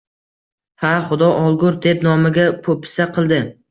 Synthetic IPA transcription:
haχʊd̪ɒʔɒlˠɡʊɾd̪e̞pnɒmɪɡʲapʰopʰɪ̥saqʰɨlˠd̪ɪ

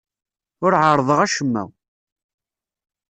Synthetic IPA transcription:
ʊɾʕəɾˤðˤəʁæʃəmːæ̰w

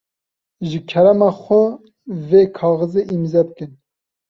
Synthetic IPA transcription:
ʒɨkʰɛɾɛmɑːxʷɛ | veːkʰɑːɣɨzeʔimzɛbɨkɨn

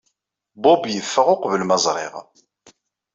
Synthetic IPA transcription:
bʊbjəfːəʁʊqvəlməzˤɾˤɪ̰ʁ

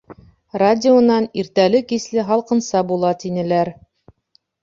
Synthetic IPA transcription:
radʲɪonɑniɾt̪ælɘkislɘɦɑlˠqɤ̆nsɑbulˠɑt̪inɘ̆læɾ

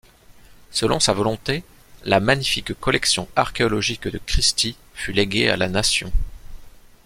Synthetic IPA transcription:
səlɔ̃savɔlɔ̃t̪e | lamaɲifikkɔlɛksjɔ̃aʁkʲeɔlɔʒikd̪əkχist̪i | fyleɡʲea̰lanasjɔ̃

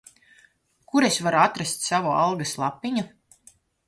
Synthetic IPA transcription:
kuɾesvaɾuat̪ɾast̪ʲsavɔalˠɡaslˠapːiɲu

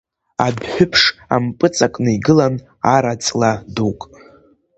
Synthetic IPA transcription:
adħʷᶣʊpʰʂa̰mpʼɨt͡sʼakʷʼnɨiɡɨlan | aɾat͡sʼladukʼ

